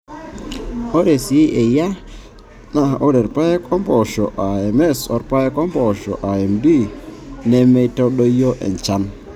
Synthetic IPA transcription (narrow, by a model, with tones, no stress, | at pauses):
o˦ɾe˨si˨e˦ʔe˨ja˦ | na˨o˦ɾe˨ɾpa˦e˦kʰɔ˦mbɔ˨ʃɔ˨ʔa˨ɛ˨mɛ˦˨sɔ˨ɾpa˦ɛ˦kɔ˦mbɔ˨ʃɔ̰˨ʔa˨ɛ˨mbi˦˨nɛ˦me˦tɔ˦ɗo˦jo˦ʔɛ̰˨nt͡ʃa˦n